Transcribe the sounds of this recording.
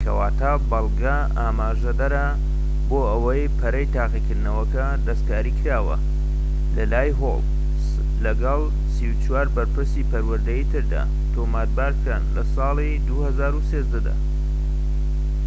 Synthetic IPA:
kʰɐ̰waːt̪ʰa | bɑlˠɡa | aːmaːʒɐd̪ɐɾɐ | boːəwɐjpʰɐɾɐjt̪ʰaːqikɨɾd̪nɐwɐkɐ | d̪ɐskaːɾiːkʰɾaːwɐ̰ | lɐlaːjɦo̰l | lɐɡɑlˠ | siwt͡ʃwaːɾbɐɾpɨɾsipɐɾwɐɾd̪ɐjit̪ʰɨɾd̪a̰ː | t̪ʰoːmat̪̚baːɾkɾaːnlɐsɑːlˠid̪uhɐzaːɾuseːzd̪ɐd̪a̰ː

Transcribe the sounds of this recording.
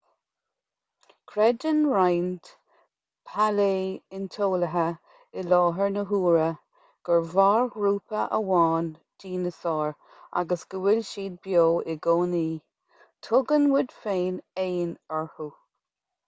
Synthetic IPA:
kʰɾɛd͡ʒənɹajnt | pʰaleːɪnt̪ʰoːləɦə | ɪlɑːɦəɹnəɦuːɹə | ɡ̥əɹvaːɹɡɾuːpʰəʔə̰wɑːn | d̪̥iːnəsɑːɹ | a̰ɡəsɡ̥əwɪlʃiːd̪̚bjoːɪɡoːniː | tʰʊɡənwɪd̪̥feːneːnəɹhu

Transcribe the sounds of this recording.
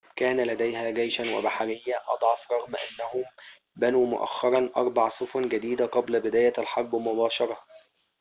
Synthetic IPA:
kæːnælæd̪æjhæːɡæjʃænwa̰baħaɾɪjːæʔɑ̰d̪ˤʕɑfɾˤɑɣmʔa̰nːæhʊm | bænuːmʊ̰ʔæ̰xːɑɾˤɑnʔɑɾˤbɑʕsˤʊfʊnɡæd̪iːd̪æqɑblæbɪd̪æːjæælħɑɾˤbmʊbɑːʃɑɾˤɑ

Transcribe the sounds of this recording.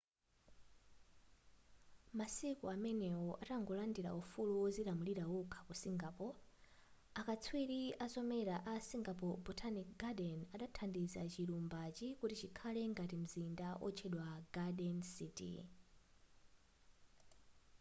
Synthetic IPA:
masikuamɛnɛɔʔataŋɡɔlandiɾa̰ufuluwɔzilamuliɾawukʰḁkusiŋɡapɔ | akat͡sʰwiɾiasɔmɛɾaʔasiŋɡapɔbɔtʰanikɡadɛnaɗatʰandizat͡ʃiɾumbat͡ʃikutit͡ʃikʰalɛŋɡatim̩zindaʔɔ̰t͡ʃʰɛɗwaɡaɗɛnsitḭ

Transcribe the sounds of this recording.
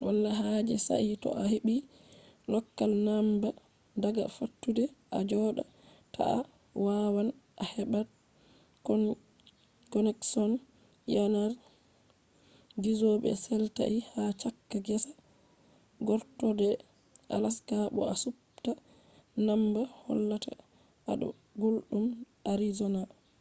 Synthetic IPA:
walːaɦad͡ʒɛsa̰ʔitɔ̰ʔaheɓi | lɔkːalnamba | daɡa̰fatːudɛʔa̰d͡ʒɔːɗa̰ | tʰa̰a̰ | wawanʔahɛbat | kɔnɛksɔn | janaɾ | ɡizɔɓɛ̰sɛlta̰ʔihat͡ʃakːaɡɛsḁ | ɡɔɾtɔdɛ | ʔa̰laskaɓɔ̰asup | ta | nambahɔ̰lːatʰa̰ | ʔaɗɔ̰ | ɡolɗumʔaɾizɔna

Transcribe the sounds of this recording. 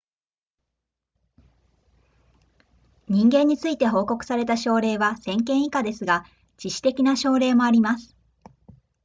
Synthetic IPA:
ɲ̟ĩŋɡẽ̞ɲ̟ːit͡sɨit̪e̞ɦo̞ːko̞kɯ̟̥saɾe̞t̪aɕo̞ːɾe̞ːβasẽ̞ŋkẽɰ̃ikad̪e̞sɨɡa | t͡ɕiɕi̥t̪e̞kʲinaɕo̞ːɾe̞ːmo̞aɾʲimasɨ̥

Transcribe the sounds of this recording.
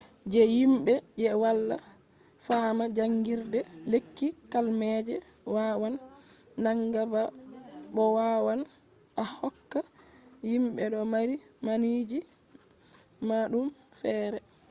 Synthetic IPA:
d͡ʒɛjimɓɛd͡ʒɛwalːa̰ | faːmad͡ʒaŋɡiɾdɛlekːikalmɛd͡ʒɛ | wawanː | aŋɡabaɓɔwawan | ʔahɔkːa | jimɓɛɗɔmaɾi | manid͡ʒi | maɗum | fɛːɾɛ

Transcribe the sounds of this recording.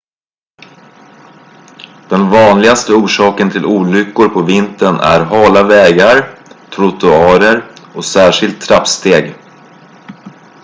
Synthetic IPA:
d̪̥ɛnvɑːnlɪɡast̪əuːʂɑːkənt̪ʰɪlʔuːlʏkːʊɾpʰɔvɪnt̪ənæ̰ɾɦɑːlavɛːɡaɾt̪ʰɾʊt̪ʊɑːɾəɾɔsæːʂɪlt̪ʰːɾapst̪eːɡ

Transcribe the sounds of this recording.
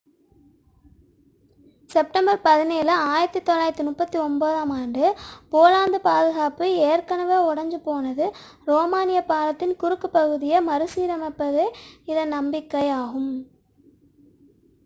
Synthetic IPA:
sɛp̚ʈɐmbɐɾpɐðɪneːlɐaːjɪɾɐt̪ːit̪ːɔlːaːjɾt̪ːɯmʊpːɐt̪ːiɔmboːðaːmaːɳɖɯpoːlaːnd̪ɯpaːðɯɣaːpɯeːɾkɐnɐʋeːʊɽɐɲd͡ʒɯpoːnɐðɯ | ɾoːmaːnɪjɐpːaːlɐt̪ːɪnkʊɾɯkːɯpɐɣɯðɪjɐmɐɾɯsiːɾɐmɛpːɐðɯɪðɐnːɐmbɪkːɐjaːɣɯm

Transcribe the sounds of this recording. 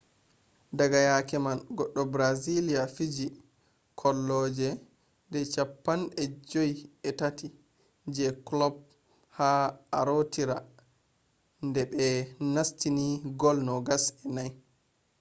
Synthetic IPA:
daɡajakɛmanɡɔɗːɔbɾazilijafid͡ʒi | kʰɔlːɔːd͡ʒɛ | dɛt͡ʃapːanɛd͡ʒojɛtati | d͡ʒɛklɔb̚ | haaɾotiɾa | ndɛɓɛnastiniɡɔlnɔɡasɛnaj

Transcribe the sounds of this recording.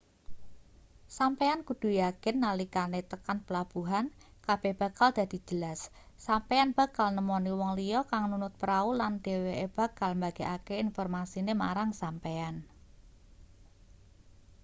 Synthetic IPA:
sampeankud̪̥ṳjakɪnːalikanet̪əkanpəlab̥ṳɦankab̥e̤hb̥a̤kald̪̥a̤d̪̥i̤d͡ʒ̥əlasː | ampeanb̥a̤kalnəmɔniwɔŋlijɔkaŋnunʊt̪̚pəɾauland̪̥e̤weeb̥ä̤kalmbaɡ̥e̤ʔakeinfɔrmasinema̰ɾaŋsampean

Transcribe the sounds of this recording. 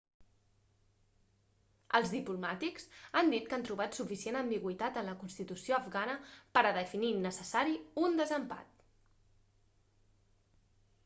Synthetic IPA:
əlˠzðiplumat̪iksand̪it̪kant̪ɾuβ̞at̪sufisienəmbiɣwit̪at̪ənləkunst̪it̪usioəfɣanəpəɾəðəfininəsəsaɾiund̪əzəmpa̰t̪

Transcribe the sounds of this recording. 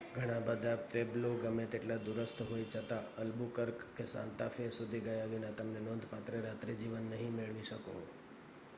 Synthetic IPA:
ɡʱəɽ̃ãbəd̪ʱafebloɡəmet̪eʈlad̪uɾəst̪ʰɦoit͡ʃʰət̪aəlbukəɾkːesã̰nt̪afesud̪ʱiɡəjaʋinat̪əmnenɔ̃nd̪ʱpat̪ɾeɾat̪ɾid͡ʒiʋənːəɦĩmeɭʋiʃəko̰

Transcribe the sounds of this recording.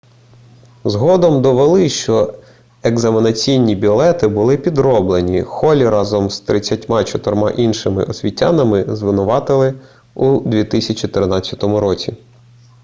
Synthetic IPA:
zɦɔd̪ɔmd̪ɔʋelˠɪʃt͡ʃɔ | eɡzɐmʲinɐt͡sʲijnʲibʲilˠɛt̪ɪbʊlˠɪpʲid̪ɾɔblˠenʲixɔlʲiɾʔɑzɔmst̪ɾɪt͡sʲːɐtʲmɑt͡ʃɔt̪ɔrmɑ̰ʔinʃɪmɪ̰ʔɔsʲʋʲitʲːanɐmɪzʋɪnʊʋɑt̪ɪlˠɪ | ud̪ʲʋʲit̪ɪsʲɐt͡ʃit̪ɪrnɑt͡sʲːɐt̪ɔmʊɾɔt͡sʲi

